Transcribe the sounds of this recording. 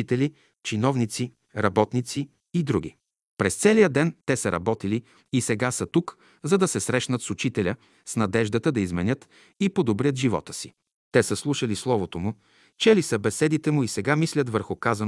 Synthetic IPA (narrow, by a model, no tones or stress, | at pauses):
it̪ɛli | t͡ʃinɔvnit̪si | ɾɐbɔt̪nit̪siː | d̪ɾuɡ̟ḭ | pɾɛst̪sɛlijəd̪ɛnt̪ɛsəɾɐ̰bɔt̪ili | isɛɡasət̪uk | zɐd̪ɐsɛsɾɛʃnət̪sʊt͡ʃit̪ɛlʲə | snɐd̪ɛʒd̪ət̪əd̪ɐizmɛnʲɤt̪ | ipod̪obɾʲət̪ʒivɔ̰t̪ə̥si | t̪ɛsəslˠuʃəlislˠɔvot̪omʊ | t͡ʃɛlisəbɛsɛd̪it̪ɛmʊisɛɡamislʲət̪vəɾxʊkazɐn